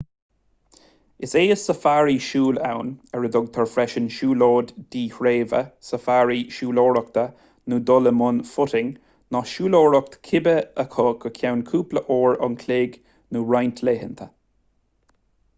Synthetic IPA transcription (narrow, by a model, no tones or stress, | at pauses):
ɪseːəsəfaːɹiʃuːla̰wnəɹəd̪ʊɡ̚t̪ʰəɹfɾɛʃənʃuːloːd̪ːiːhɹeːvə̰səfaːɹiʃuːloːɹɔk̚t̪ə | nud̪ɔləmʊnfʊɾɪŋ | nɔʃuːlɔːɹɔk̚t̪kʰɪbəəkʰɔːkəkʰawnkʰuːpləʔɔːɹɑ̰nkʰleːɡ | nuɹajnt̪ʰleːhənt̪ʰə